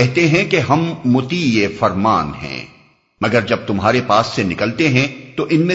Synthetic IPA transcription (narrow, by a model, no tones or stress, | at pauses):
ɛɦt̪eɦɛ̃keɦɐmːʊt̪ijefɐɾmaːnɦɛ̰̃ː | mɐɡəɾd͡ʒɐb̚t̪ʊmɦaːɾepaːsːenɪkəlt̪eɦɛ̃t̪oʔɪnmẽ